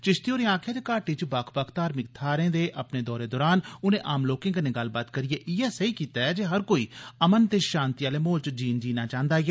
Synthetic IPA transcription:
t͡ʃɪʃt̪ioːɾeãːkʰjẽːt̪eːkaːʈiːt͡ʃbəkʰpəkʰt̪aːɾmɪk̚t̪ʰaːɾẽːd̪eːʔəpneːd̪ɔːɾeːd̪ɔːɾaːnʊnẽːʔaːmloːkɪ̃ŋkneːɡəlbaːt̪kəɾɪjeːʔɪːɛːsəiːkiːt̪aːɛːd͡ʒeːɦəɾkoːiːəmənt̪eːʃãːnt̪ɪjaːleːmoːlt͡ʃd͡ʒiːnd͡ʒiːnaːt͡ʃãːnd̪aːɡɛː

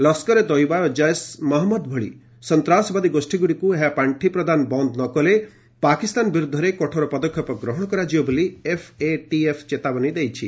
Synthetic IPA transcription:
lɔskɔɾed̪ɔjbajɔd͡ʒajsmɔɦɔmːɔd̪bʱɔɭḭ | sɔnt̪ɾasɔbad̪iɡosʈiɡuɽikueɦapaɳʈʰipɾɔd̪anbɔnd̪nɔkɔle | pakist̪anbiɾud̪ʱːɔɾekɔʈʰɔɾɔpɔd̪ɔkʰːjɔpɔɡɾɔɦɔɽ̃ɔkɔɾad͡ʒibɔboliepʰeʈiepʰt͡ʃet̪abɔnid̪ejt͡ʃʰḭ

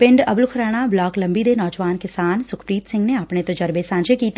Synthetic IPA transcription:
pɪ̃ɳɖɐblkʰɾaːɽ̃ablɔːklɐ̃mbid̪enɔːd͡ʒʋaːnkɪsaːnsʊkʰpɾiːt̪sɪ̃ŋɡneɐpnet̪od͡ʒɐɾbesãːɲd͡ʒekiːt̪ː

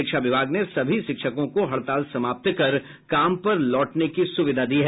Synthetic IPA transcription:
ɪkʃaʋɪbʱaːɡnesɐbʱiʃɪkʃəkõkoɦɐɭt̪aːlsɐmaːp̚t̪kɐɾ | kaːmpɐɾlɔːʈnekisʊʋɪd̪ʱad̪iːɦɛː

